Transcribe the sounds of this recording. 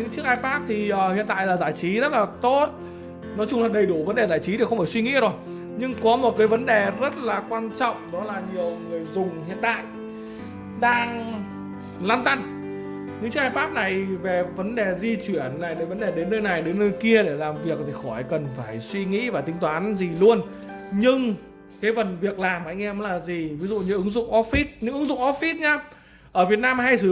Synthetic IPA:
ɲɨ̰˧˥ŋt͡ɕɨ˦˥ək̚aː˧jfaː˦˥p̚t̪ʰi˨˩ʔəː˨˩hḭ˧˨ənt̪a̰ː˧˨jlaː˨˩zaː˧˩jt͡ɕi˨˦zə˦˥t̚laː˨˩t̪o˦˥t̚ | nɔ˨˦t͡ɕʊ˧ŋ͡mlaː˨˩ɗə˨˩jɗu˧˩və˨˦nɗe˨˩zaː˧˩jt͡ɕi˨˦t̪ʰi˨˩xə˧ŋ͡mfaː˧˩swi˧ŋḭ˧˥zo˨˩j | ɲɨ˧ŋkɔ˨˦mo˨˩t̚kaː˨˦jvə˨˦nɗe˨˩zə˦˥t̚laː˨˩kwaː˧nt͡ɕɔ̰˧˨wŋ͡mɗɔ˨˦laː˨˩ɲi˨˩əwŋɨ˨˩əjzʊ˨˩ŋ͡mɦḭ˧˨ənt̪a̰ː˧˨jʔ | ɗaː˧ŋ | laː˧nt̪a˧n | ɲɨ̰˧˥ŋt͡ɕɨ˦˥k̚aː˧faː˦˥p̚na˨˩jve˨˩və˨˦nɗe˨˩zi˧t͡ɕwi˧˩ənːa˨˩jɗəː˨˦jvə˨˦nɗe˨˩ɗe˨˦nːəː˧jna˨˩jɗe˨˦nːəː˧jki˧əɗe˧˩laː˨˩mvi˨˩ək̚t̪ʰi˨˩xɔ˧˩jkə˨˩nfaː˧˩jswi˧ŋḭ˧˥vaː˨˩t̪ï˨˦ŋt̪waː˨˦nzi˨˩lu˧ən | ɲɨ˧ŋ | kaː˨˦jvə˨˩nvi˨˩ək̚laː˨˩mha̰˧˥jŋʔɛ˧m˨˦laː˨˩zi˨˩vi˨˦zṵ˧˨ɲɨ̰˧˥ʔɨ˨˦ŋzʊ̰˧˨ŋ͡mʔɔ˦˥fi˦˥t̚ɲɨ̰˧˥ʔɨ˨˦ŋzʊ̰˧˨ŋ͡mʔɔ˦˥f̚fi˦˥t̚ɲaː˨˧ | ʔəː˧˩vi˨˩ət̚naː˧mɦa˧jsɨ˨˦

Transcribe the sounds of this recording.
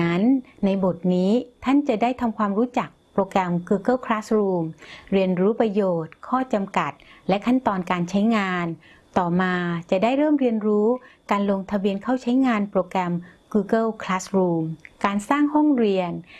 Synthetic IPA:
a˦˥nːa˧jbo˨˩t̪̚niː˦˥t̪ʰa˥˩nt͡ɕa˨˩daː˥˩jt̪ʰa˧mkʰwaː˧mɾuː˦˥t͡ɕa˨˩k̚pɾoː˧kɾɛ˧mɡuː˧kɤ˥˩wkʰlaː˦˥sɾuː˧mɾi˧ənɾuː˦˥pɾa˧joː˨˩t̪̚kʰɔː˥˩t͡ɕa˧mka˨˩t̪̚lɛ˦˥kʰa˥˩nt̪ɔː˧nkaː˧nt͡ɕʰa˦˥jŋaː˧n | t̪ɔː˨˩maː˧t͡ɕa˨˩daː˥˩jɾɤː˥˩mɾi˧ənɾuː˦˥kaː˧nlo˧ŋt̪ʰa˧bi˧ənkʰa˥˩wt͡ɕʰa˦˥jŋaː˧npɾoː˧kɾɛ˧mɡuː˧kɤ˥˩lkʰlaː˦˥sɾuː˧mkaː˧nsaː˥˩ŋhɔ˥˩ŋɾi˧ən

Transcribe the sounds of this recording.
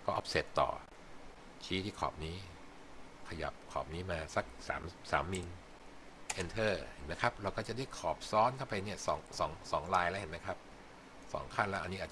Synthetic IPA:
kɔː˥˩ʔɔ˦˥p̚seː˨˩t̪ːɔ̰ː˨˩ | t͡ɕʰiː˦˥t̪ʰiː˥˩kʰɔ̰ː˨˩p̚niː˦˥ | kʰa˧ja̰˨˩p̚kʰɔ̰ː˨˩p̚niː˦˥maː˧sa˧˦˩k̚sa̰ː˩˦msa̰ː˩˦mːi˧n | ʔe˧nt̪ʰɤː˥˩he˩˦nma˦˥jkʰa˦˥p̚ɾa˧wkɔː˥˩t͡ɕa˨˩da˥˩jkʰɔː˨˩p̚sɔː˦˥nkʰa˥˩wpʰa˧ni˥˩ɐsɔː˩˦ŋsɔː˩˦ŋsɔː˩˦ŋɾaː˧jlɛ˦˥whe˨˩˦nma˦˥jkʰa˦˥p̚ | sɔ̰ː˩˦ŋkʰa˥˩nlɛ˦˥ʔa˧nːi˦˥aː˨˩

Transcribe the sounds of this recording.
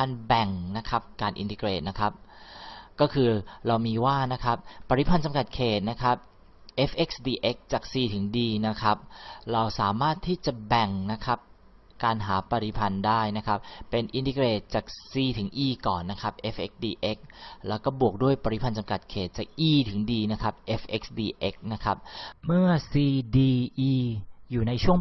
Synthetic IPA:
aː˧nbɛ˨˩ŋna˦˥kʰa˦˥p̚kaː˧nʔḭ˧nt̪i˧kɾeː˨˩t̪̚na˦˥kʰa˦˥p̚ | kɔː˥˩kʰɯː˧ɾa˧wmiː˧waː˥˩na˦˥kʰa˦˥p̚ːa˧ɾi˦˥pʰa˧nt͡ɕa˧mka˨˩t̪̚kʰeː˨˩t̪̚na˦˥kʰa˦˥p̚ | ʔe˦˥fʰʔe˦˥k̚sdiː˧ʔe˦˥k̚t͡ɕaː˨˩k̚siː˨˩t̪ʰɯ˩˦ŋdiː˧na˦˥kʰa˦˥p̚ɾa˧wsaː˩˦maː˥˩t̪ʰːiː˥˩t͡ɕa˨˩bɛ˨˩ŋna˦˥kʰa˦˥p̚ | kaː˧nɦaː˩˦pa˧ɾi˦pʰa˧ndaː˥˩jna˦˥kʰa˦˥p̚ːe˧nʔi˧nt̪i˧kɾeː˨˩t̪̚t͡ɕaː˨˩k̚siː˧t̪ʰɯ˩˦ŋʔiː˧kɔː˨˩nːa˦˥kʰa˦˥p̚ʔe˦˥fʔe˦˥k̚diː˧ʔe˦˥k̚lɛː˦˥wkɔː˥˩bu˨˩ək̚du˥˩əjpa˧ɾi˦˩pʰa˧nt͡ɕa˧mka˨˩t̪̚kʰeː˨˩t̪̚t͡ɕaː˨˩k̚ʔiː˧˩t̪ʰɯ˨˩˦ŋdiː˧na˦˥kʰa˦˥p̚ʔe˦˥fʔe˦˥k̚sdiː˧ʔe˦˥k̚na˦˥kʰa˦˥p̚mɯ˥˩ɐsiː˧diː˧ʔiː˧juː˨˩na˧jt͡ɕʰu˥˩əŋ

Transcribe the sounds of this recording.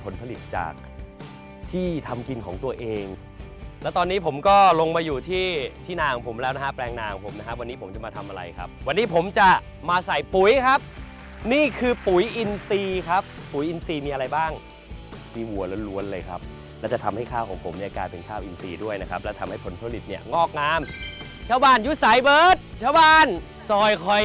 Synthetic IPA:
pʰo˩˦npʰa˧li˨˩t̪̚t͡ɕa̰ː˨˩k̚ | t̪ʰiː˥˩t̪ʰa˧mki˧nkʰɔː˩˦ŋt̪u˧ɐʔeː˧ŋ | lɛ˦˥t̪ɔː˧nːiː˦˥pʰo˩˦mkɔː˥˩lo˧ŋmaː˧juː˨˩t̪ʰiː˥˩t̪ʰiː˥˩naː˧ŋpʰo˩˦mlɛː˦˥wna˦˥kʰa˦˥plɛː˧ŋnaː˧ŋpʰo˩˦mna˦˥kʰa˦˥ʔwa˧nːiː˦˥pʰo˩˦mt͡ɕa˨˩maː˧t̪ʰa˧mʔa˧ɾa̰˧jkʰa̰˦˥p̚wa˧nːiː˦˥pʰo˩˦mt͡ɕa˨˩ | maː˧sa˨˩jpu˨˩˦jkʰa˦˥p̚ | niː˥˩kʰɯː˧pu˩˦jʔi˧nsiː˧kʰa˦˥pːu˨˩˦jʔi˧nsiː˧miː˧ʔa˧ɾa˧jbaː˥˩ŋ | miː˧wu˨˩ɐlo˦lu˧˥ənlɤː˧jkʰa̰˦˥p̚ | lɛː˦˥wt͡ɕa˨˩t̪ʰa˧mha˥˩jkʰaː˥˩wkʰɔː˩˦ŋpʰo˩˦mi˧a˧˩kaː˧jpe˧nkʰaː˥˩wʔi˧nsḭː˧du˥˩əjna˦˥kʰa˦˥p̚lɛ˦˥t̪ʰa˧mha˥˩jpʰo˩˦nt̪ʰːli˨˩t̪̚ni˦˥˩ɐŋɔː˥˩k̚naː˦˥m | t͡ɕʰaː˥˩wbaː˥˩nju˦˥sa˨˦jbɤː˨˦t̪̚t͡ɕʰaː˥˩wbaː˥˩n | sɔː˨˩jkʰɔ˨˩j

